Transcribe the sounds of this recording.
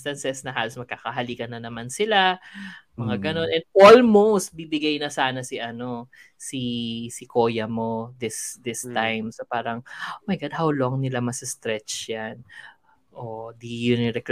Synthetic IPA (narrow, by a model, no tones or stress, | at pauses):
t̪ɐnsɛsnɐɦaːlosmɐɡ̚kakɐɦɐliːɡɐnːɐnɐmansɪlamɐŋaɡɐno̞nʔɛnd̪̚ʔolmowst̪̚bibɪɡajnɐsaːnɐsiʔɐno̞ | sisɪko̞ːjɐmo̞d̪ɪsd̪ɪst̪ajmsɐpaːɾɐŋʔomɐjɡad̪̚hawloŋnɪlamɐsɪst̪ɾɛt͡ʃjan | ʔod̪ijʊnɪɾɛk